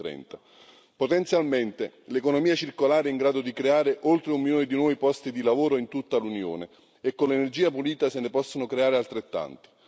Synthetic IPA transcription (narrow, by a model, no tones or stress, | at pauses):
ɾɛ̰nt̪a | pot̪ɛnt̪sjalment̪elekonomiːat͡ʃirkolaːɾeiŋɡɾaːd̪od̪ikɾeaːɾeʔolt̪ɾeumːinoːnid̪inwɔːipɔst̪id̪ilavoːɾoint̪ut̪ːalunjo̰ːne | ekːonlːenerd͡ʒiːapuliːt̪asenepɔsːonokɾeaːɾealt̪ɾet̪ːa̰nt̪i̥